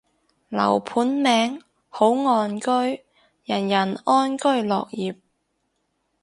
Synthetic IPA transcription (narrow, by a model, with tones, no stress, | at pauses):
lɐ̰˨˩wpʰuː˨˥nmɛː˨˧ŋ | ho˨˥wŋɔː˧nkɵ˥ɥ | jɐ˨˩njɐ˨˩nɔː˥nkɵ˥ɥlɔ̰ː˨k̚jiː˨p̚